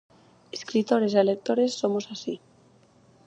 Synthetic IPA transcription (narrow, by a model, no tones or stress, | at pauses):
eskɾit̪o̞ɾe̞selek̚t̪o̞ɾe̞sːo̞mosasi